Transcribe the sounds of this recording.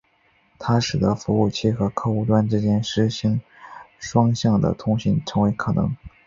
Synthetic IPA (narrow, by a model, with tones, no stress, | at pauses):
t̪ʰa˥ʂɻ̩˨˩d̪ə˧˥fu˧˥u˥˩t͡ɕʰi˥˩xɤ˧˥kʰɤ˥˩u˥˩t̪wa˥nʈ͡ʂɻ̩˥t͡ɕjɛ˥nʂɻ̩˧˥ɕi˧˥ŋ | ʂwɑ˥ŋɕjɑ˥˩ŋd̪ə̰˩t̪ʰʊ˥ŋɕi˧˥nʈ͡ʂʰɤ˧˥ŋwe˧˥ɪkʰɤ˨˩nɤ̰˧˥ŋ